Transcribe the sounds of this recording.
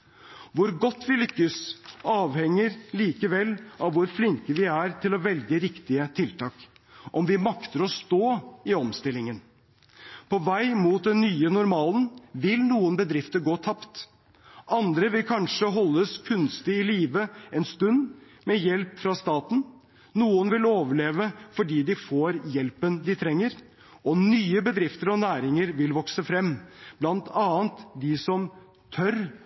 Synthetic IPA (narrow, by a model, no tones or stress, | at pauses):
ʋʊɾɡɔt̪ːʋɪlʏkːəsɑːʋhɛŋːəɾliːkəʋɛlːɑʋːʊɾflɪŋkəʋɪæɾt̪ʰɪlɔʋɛlɡəɾɪkt̪ɪət̪ʰɪlt̪ʰɑːk | ʔɔmʋɪmɑkt̪əɾɔst̪oːɪɔmst̪ɪlːɪŋən | pʰɔʋæɪmuːt̪̚d̪ɛnnyːənʊɾmɑːlənʋɪlnuːənbəd̪ɾɪft̪əɾɡoːt̪ʰɑpt̪ | ʔɑnd̪ɾəʋɪlkʰɑnʂəɦɔlːəskʰʉnst̪ɪɪliːʋəɛnst̪ʉnd̪ | mɛjɛlpfɾɑst̪ɑːt̪n̩ | nuːənʋɪloːʋəɭeːʋəfɔɖiːd̪ɪfoːɾjɛlpənd̪ɪt̪ʰɾɛŋːəɾ | ɔnyːəbəd̪ɾɪft̪əɾɔnæːɾɪŋəɾʋɪlʋɔksəfɾɛmːb̥lɑnt̪ʰɑːənt̪d̪ɪsɔm | t̪ʰœɾ